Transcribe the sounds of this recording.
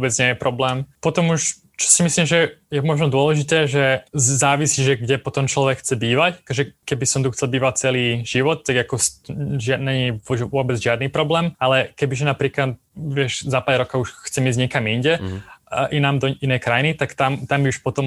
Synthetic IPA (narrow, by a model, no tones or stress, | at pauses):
bɛd͡zɲɪɛjɛpɾɔblɛːmpɔt̪ɔmuʃ | t͡ʃɔ̥simisliːmʒɛjɛmɔʒnɔd̪ʊɔlɛʒit̪ɛːʒɛzaːʋisiːʒɛɡɟɛpɔt̪ɔmt͡ʃlɔʋɛkxt͡sɛbiːʋackɔʒɛkɛbisɔmt̪uxt͡sɛlbiːʋat͡sɛliːʒ̥iʋɔt̪̚ːaɡakɔsʒɪanɛʋʊɔbɛd͡zʒɪad̪niːpɾɔblɛːmalɛkɛbiʒɛnapɾiːklat̪̚ | ʋɪɛʃzapaːlɾɔkauʃxt͡sɛmiːzɟɲɛkamiɲɟɛ | ʔinaːmd̪ɔinɛjkɾajnit̪akt̪amt̪ambiuʃpɔt̪ɔm